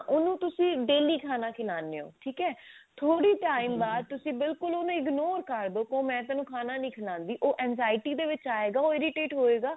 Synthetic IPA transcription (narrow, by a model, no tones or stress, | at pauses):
ʔʊnũːt̪ʊsĩːɖeːliːkʰaːnaːkʰɪlaːneːo̰ːʈʰiːkɛːt̪ʰoːɽiːʈaːiːmbaːd̪̚t̪ʊsĩːbɪlkʊloːnũːɪɡnoːɾkəɾb̪okõːmɛ̃ːt̪aːnũːkʰaːnaːnĩːkʰɪlãːnd̪iːʔoːʔɛːnzaːɪʈiːd̪eːʋɪt͡ʃaːeːɡaːoːɪɾɪʈeːʈɦoːeːɡaː